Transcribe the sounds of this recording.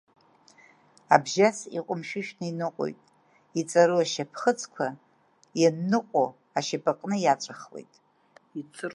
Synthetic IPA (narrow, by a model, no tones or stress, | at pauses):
abʒasḭqʷʼʊmʃᶣɪʃᶣnɨinɨqʷʼo̰jtʼ | it͡sʼaɾuaʃapʰχət͡sʰʼkʷʰa | janːɨqʷʼo | aʃapʼaqʼnɨjat͡ʃʷʼaχlḛjtʼ | it͡sʰɨ